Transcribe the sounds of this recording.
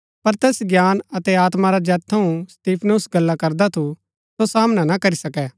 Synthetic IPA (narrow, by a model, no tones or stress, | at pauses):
pɐɾt̪ɛːsɡjaːnɐt̪ɛaːt̪maɾad͡ʒɛːt̪ʰɐũst̪iːpʰnʊsɡɐlːakɐɾd̪at̪ʰu | sosaːmnanakɐɾisɐkɛ